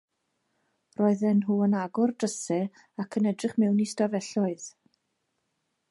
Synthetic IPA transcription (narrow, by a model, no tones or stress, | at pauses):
rɔɨðɛnɦuːənaɡʊrdəsɛ | akʰənɛdrɪχmɛwnistavɛɬɔɨð